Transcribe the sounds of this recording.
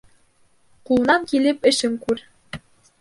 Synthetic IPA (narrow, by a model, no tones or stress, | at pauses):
qulˠɤ̆nɑŋkilɘpɘ̆ʃɘŋkʉɾ